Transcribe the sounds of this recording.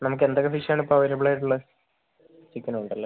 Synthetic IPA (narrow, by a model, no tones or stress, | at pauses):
nɐmuk̬ːe̞nd̪okːefiʂaːɳipːoɐʋɐɾɐbɭaːjʈːuɭːɐ | t͡ɕikʲːɐnɐuɳɖɐlːe